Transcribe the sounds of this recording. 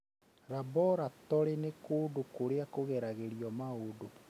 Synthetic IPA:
ɾabɔɾatɔɾenekoːdokoɾeakoɣɛɾaɣeɾiɔmaodo

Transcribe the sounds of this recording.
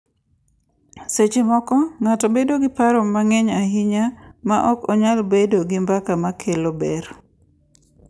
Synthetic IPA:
set͡ʃemɔkɔŋatɔbedoɡɪpaɾɔmaŋɛɲaɦiɲamaʔɔkɔɲalbedoɡɪmbakamakʰelobɛɾ

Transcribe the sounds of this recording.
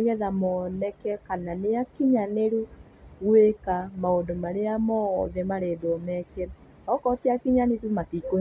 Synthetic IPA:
jɛðamɔnɛkɛkananeakiɲaneɾu | ɣwekamaondomaɾeamɔ̰ðɛmaɾeːdoɔmɛke | ɔkɔteakiɲanetumatiko

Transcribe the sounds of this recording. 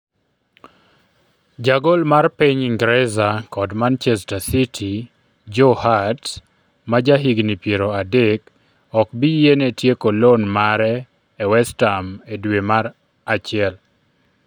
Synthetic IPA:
d͡ʒaɡolmarpiɲiŋɡɾɛzakɔdmant͡ʃɛstasitʰi | d͡ʒohat | mad͡ʒaɦiɡnipjeɾoadek | ɔkbijenetjekolonmaɾɛː | wɛstamedwemaɾ | at͡ʃɪɛl

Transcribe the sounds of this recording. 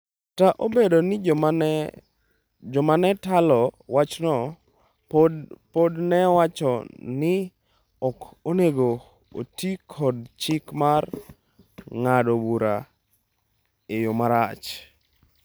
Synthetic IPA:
taʔobedonɪ | d͡ʒɔmanɛtalɔwat͡ʃnɔ | podnɛwat͡ʃɔnɪ | ɔkoneɡo | o̰tikʰɔd̚t͡ʃɪkmar | ŋadobuɾa | ejomaɾat͡ʃ

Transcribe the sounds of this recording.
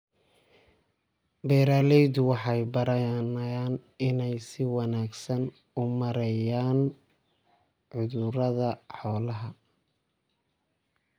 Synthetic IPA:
bɛːɾaːlɛjdʊwɑħɑjbɐɾɐjnjaːnɪnɛjsɪwɑnaːɡsɐn | ʊmɐɾɛjaːn | ʕʊðʊɾɐðɐħɔːlɐɦɐ

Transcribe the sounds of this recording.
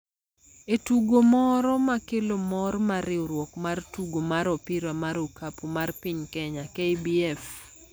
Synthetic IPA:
etuɡomɔɾɔmakɪlomɔɾmaɾɪoɾwɔkmartuɡomaɾɔpɪɾamaɾokʰapumarpɪɲkɛɲakejbiɛf

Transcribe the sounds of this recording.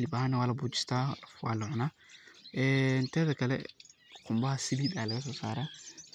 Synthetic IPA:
lɪbahɐnɐwaːlɐbuːt͡ʃɪ̥st̪ʰaːwa̰ːlʊʕʊnaː | ʔɛːnt̪ʰɛːðɐkʰɐlɛ̰ | qʰʊmbɐhɐsɪðiːdalɐɣɐs̬ɔːsa̰ːɾa

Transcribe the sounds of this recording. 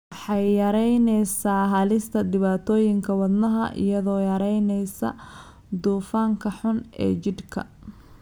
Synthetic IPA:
wɑħɑjːɐɾɛjnɛjsaːɦɐlɪst̪ʰɐd̪ɪβaːt̪ʰɔːjɪŋkʰɐwɐd̪nɐɦɐ̰ʔɪ̰jɐðɔːjɐɾɛjnɛjsɐ̰ | d̪uːfaːŋkʰɐħʊnɛ̰ːt͡ʃɪd̪kʰɐ̰

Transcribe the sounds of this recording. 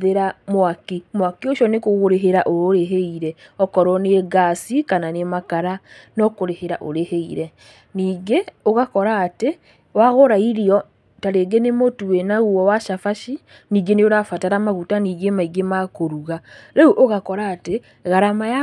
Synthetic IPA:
ðeɾamwakimwakioʃɔnekoɣoɾeɦeɾaʔooɾeɦeiɾɛɔkɔɾɔneɡasikananemakaɾanɔkoɾeheɾaʔo̰ɾeheiɾɛ | niːɡeoɣakɔɾaːte | waɣoɾaiɾiɔ | taɾeɡenemotuenaɣuɔwaʃafaʃi | niːɡeneoɾafataɾamaɣutaniːɡemaiɡemakoɾuɣaɾeuʔoɣakɔɾaːte | ɣaɾamaja

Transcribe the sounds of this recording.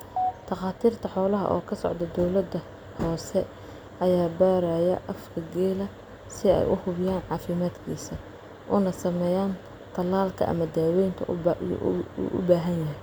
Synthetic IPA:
t̪ʰɑqɑːt̪ʰiːrt̪ʰɐħɔːlɐɦɐ̰ʔɔ̰ːkʰɐsɔ̰ʕd̪ɐd̪ɔwlɐd̪ɐ | hɔːsɛ | ʔɐjaːbaːɾajɐ̰ʔɐfkʰɐɡɛːlɐ | sɪɛ̰jʔʊ̰hʊβɪjaːnʕɑːfɪmaːd̪kʰiːsɐ | ʔʊnɐsɐmɛjaːn | t̪ʰɐlaːlkʰɐ̰ʔɐ̰mɐd̪aːwɛjnt̪ʰɐ̰ | ṵʔʊ̰baːɦɐnjɐɦɛj

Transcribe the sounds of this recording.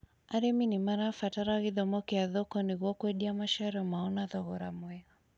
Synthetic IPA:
aɾɛminimaɾafataɾaɣiðɔmɔkɛaðɔkɔniɣɔkwɛɗiamaʃaɾɔmaɔnaðɔɣɔɾamwɛa

